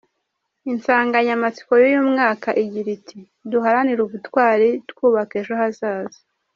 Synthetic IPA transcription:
insaːŋɡaɲamat͡si̥ko̞jojumŋaːkaʔiɟiɾitʰi | duɦaɾaniɾuβutwaːɾitkuːβakeʃoɦazaːzi̥

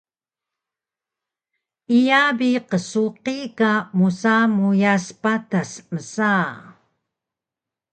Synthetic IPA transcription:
ijabiqəsuqikamusamujaspatasməsa

